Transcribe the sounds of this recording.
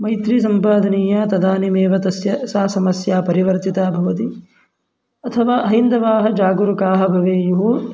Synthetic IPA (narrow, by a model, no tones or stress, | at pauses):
mɐjt̪ɾisɐmpaːd̪ʱɐniːjat̪ɐd̪aːnimeːʋɐt̪ɐsjɐsaːsɐmɐsjaːpɐɾiʋɐɾt̪it̪aːbʱɐʋɐt̪i | ɐt̪ʰɐʋaːʔɐɦind̪ɐʋaːɦɐ̆d͡ʒaːɡuɾukaːɦɐbʱɐʋeːjuɦu